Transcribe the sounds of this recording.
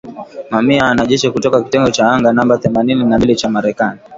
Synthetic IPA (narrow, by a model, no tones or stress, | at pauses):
mamiaːnaʄɛʃikutɔkakitɛŋɡɔt͡ʃaaŋɡanambaθɛmanininalilit͡ʃamaɾɛkani